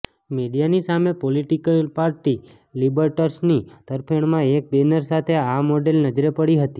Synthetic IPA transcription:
meɖijanisamepoliʈikəlpaɾʈi | libəɾʈəɾsnit̪əɾpʰəɳ̃mãek̚benəɾsat̪ʰeamoɖelnəd͡ʒɾepəɽiɦət̪i

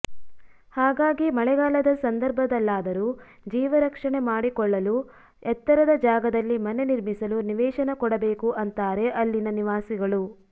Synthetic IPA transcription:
haːɡaːɡimɐɭɛɡaːlɐd̪ɐsɐnd̪ɐɾbʱɐd̪ɐlːaːd̪ɐɾu | d͡ʒiːʋɐɾɐkʂɐɳe̞maːɽikɔɭːɐlu | ɛt̪ːɐɾɐd̪ɐd͡ʒaːɡɐd̪ɐlːimɐne̞niɾmisɐluniʋɛːʃɐnɐkɔɽɐbeːkuʔɐnt̪aːɾe̞ʔɐlːinɐniʋaːsiɡɐɭu

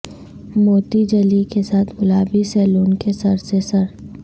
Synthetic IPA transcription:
moːt̪id͡ʒəlikesaːt̪ʰbʊlaːbisɛːluːnkesɐɾsesɐɾ

